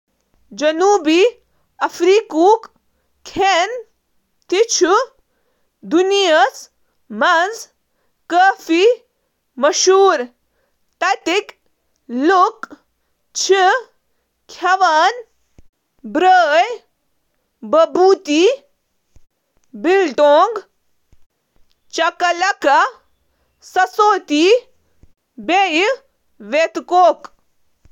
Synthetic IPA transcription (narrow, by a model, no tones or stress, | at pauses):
d͡ʒɐnuːbiː | ɐfɾiːkuːk | kʰen | t̪it͡ʃʰu | d̪unijɐs | mɐnz | kəːfiː | mɐʃuːɾ | t̪ɐt̪ik | lʊk | t͡ʃʰi | kʰɐʋɐn | bɾəːj | bɐbuːt̪iː | bilʈoːŋɡ | t͡ʃɐkɐlɐkɐ | sɐsoːt̪iː | beːj | ʋeːt̪koːk